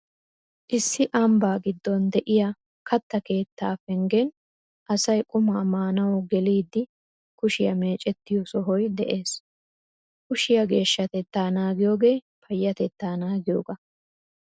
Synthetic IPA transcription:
ʔɪsːɪʔɐmbaːɡɪd̪ːɔnd̪ɛʔɪja | kʰɐt̪ːɐke̞ːt̪ːaːfɛŋɡɛn | ʔɐsɐjkʼʊmaːmaːnɐwɡɛliːd̪ːɪ | kʊʃɪjɐme̞ːt͡ʃʼɛt̪ːɪjɔsɔɦɔjd̪ɛʔe̞ːs | kʊʃɪjɐɡe̞ːʃːɐt̪ɛt̪ːaːnaːɡɪjoːɡe̞ː | pʰɐjːɐt̪ɛt̪ːaːnaːɡɪjoːɡɐ

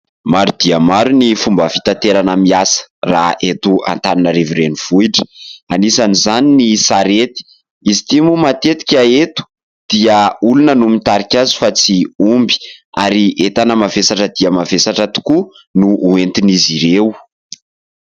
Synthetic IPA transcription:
maɾud̪̥iəmaɾunifumbəfi̥t̪ant̪eɾanəmiasə̥ra̰et̪ua̰nt̪aninəɾiviɾeniv̥uiʈ͡ʂə̥anisanizaninisaɾet̪i̥ | izit̪imumat̪et̪i̥kʲaet̪u̥ | d̪̥iəulunənumit̪aɾikʲazi̥fat͡siumbi̥aɾiʔet̪anəmavesaʈ͡ʂəd̪iəmavesaʈ͡ʂət̪u̥ku | nuːent̪iniziɾew

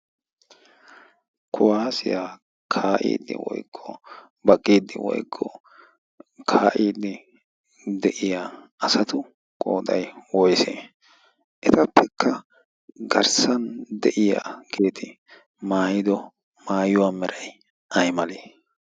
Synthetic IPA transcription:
kʰʊwaːsɪja | kʰaːʔḭːd̪ːɪ̰wɔ̰jkʰːɔ̰ | bɐkʼːiːd̪ɪ̰wɔ̰jkʰːɔ | kʰaːʔiːd̪ɪ | d̪ɛʔɪjaːʔɐsɐt̪ʊ | kʼo̰ːd̪ɐjwɔjsḛː | ʔɛt̪ɐpːɛkʰːɐ | ɡɐɾsɐnd̪ɛʔɪja̰ːkʰe̞ːt̪ʰɪ | maːjɪd̪ɔ | maːjʊwaːmɛɾɐj | ʔɐjmɐleː

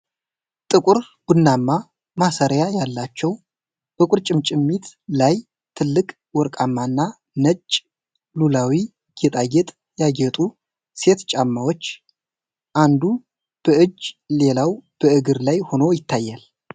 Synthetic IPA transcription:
t̪ʼɨkʼʊɾ | wɨnːamːa | masəɾjajalːat͡ʃːɛw | b̥əkʷʼʊɾt͡ʃʼɪmt͡ʃʼɪmːit̪laj | t̪ʰːɨlːɨkʼ | wɔɾkʼamːanːa | nət͡ʃʼː | lulawi | ɡ̥et̪ʼaɡɛt̪ʼ | jaɡɛt̪ʼu | se̞t̪t͡ʃʼamːawot͡ʃː | ʔand̪u | b̥əɨd͡ʒːle̞lawb̥əɨɡɨɾlajho̞no̞jɪt̪ʰːajːal

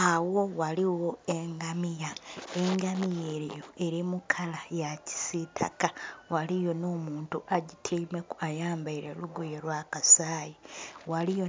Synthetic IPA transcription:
awo̞waliwo̞eŋɡamijae̞ŋɡamije̞ɾjo̞e̞ɾimukʰalajaci̥sitʰa̰kawalijo̞no̞ːmuːntuʔaɟitʰiːmekuajaːmbaiɾeluɡujelwaːkasaːjiwalijo

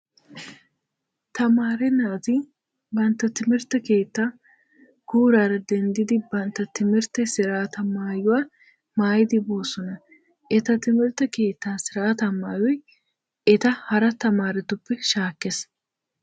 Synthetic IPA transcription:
t̪ɐmaːɾɛnaːt̪ɪ | bɐnt̪ːɐt̪ɪmɪɾt̪ɛke̞ːt̪ːaː | ɡ̥uːɾaːɾɐd̪ɛnd̪ɪd̪ɪbɐnt̪ːɐt̪ɪmɪɾt̪ɛsɪɾaːt̪ɐmaːjʊwaː | maːjɪd̪ɪbo̞ːsɔnɐ | ʔɛt̪ɐt̪ɪmɪɾt̪ɛke̞ːt̪ːaːsɪɾaːt̪ɐmaːjɔj | ɛt̪ɐhɐɾɐt̪ɐmaːɾɛt̪ʊpːɛʃaːkːes

